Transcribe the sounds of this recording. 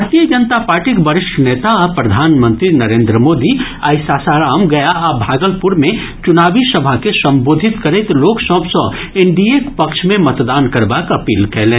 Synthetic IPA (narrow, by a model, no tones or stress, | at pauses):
bʱaɾt̪ijəd͡ʒənt̪apaːɾʈikbɐɾɪʃʈʰneːt̪aɔpɾɐd̪ʱaːnmə̃nt̪ɾinɐɾẽːnd̪ɾəmoːd̪iaːɪsaːsaːɾaːmɡɐjaʔbʱaːɡəlpʊɾmẽ | t͡ʃʊnaːbisɐbʱakesɐ̃mboːd̪ʱɪt̪kɐɾet̪loːksəbsõ | ɪ̃ɳɖiekpɐkʃmẽmɐt̪d̪aːnkɐɾbaːkɐpiːlkɛɦlẽː